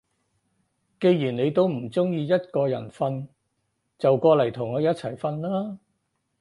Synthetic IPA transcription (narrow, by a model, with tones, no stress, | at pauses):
ke˧jjiː˨˩nne˨˧jt̪o˥wm̩˨˩t͡sʊ˥ŋjiː˧jɐ˥t̚kɔː˧jɐ̰˨˩nfɐ˧n | t͡sɐ˨wkɔː˧lɐ˨˩jt̪ʰʊ˨˩ŋɔː˨˧jɐ˥t̚t͡sʰɐ˨˩jfɐ˧nlaː˥